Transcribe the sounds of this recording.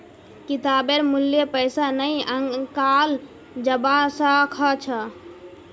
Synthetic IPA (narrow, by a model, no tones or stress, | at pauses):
kit̪abeɾmuljepəɪsanəjəŋkal | d͡ʒəbasakʰət͡ʃʰə